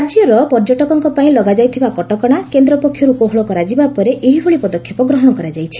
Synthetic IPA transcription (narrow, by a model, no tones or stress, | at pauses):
ad͡ʒjɔɾɔpɔɾd͡ʒɔʈɔkɔŋkɔpaĩlɔɡad͡ʒajt̪ʰibakɔʈɔkɔɽ̃akend̪ɾɔpɔkʰːjɔɾukoɦɔɭɔkɔɾad͡ʒibapɔɾeʔeɦibʰʱoɭipɔd̪ɔkʰjɔpɔɡɾɔɦɔɽɔkɔɾad͡ʒajt͡ʃʰi̥